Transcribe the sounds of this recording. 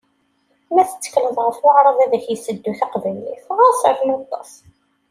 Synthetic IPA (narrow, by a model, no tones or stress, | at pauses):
mæθə̥t͡sːə̥kləðˤʁəfwʊʕɾˤɑðˤæðəçjəsəd̪ːuθɑqvæjliθʁɑsˤəθmɑt̪ˤːɑ̰sˤ